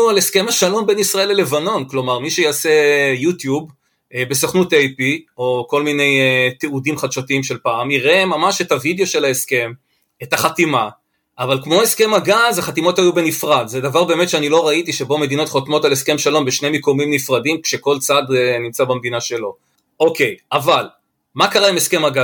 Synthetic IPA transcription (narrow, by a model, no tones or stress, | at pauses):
ualeske̞maʃalo̞mbenisʁae̞lele̞vano̞nklo̞maʁmiʃejaːse̞jut̪jub | be̞soχnutejpio̞ko̞lmine̞jt̪eudimχad̪ʃotiimʃe̞lpaːmiʁe̞mamaʃetavid̪eo̞ʃe̞laeske̞m | etaχatima | ʔavalkmo̞eske̞maɡazaχat̪imo̞thajube̞nifʁad̪zed̪avaʁbe̞ːmetʃeanilo̞ʁaitiʃebo̞me̞d̪ino̞t̪χo̞t̪mo̞taleske̞mʃalo̞mbeʃnemekomimnifʁadimkʃe̞ko̞lt͡sadnimt͡sabamd̪inaʃe̞lo̞ | ʔo̞ke̞jʔaval | makaʁaimeske̞maɡa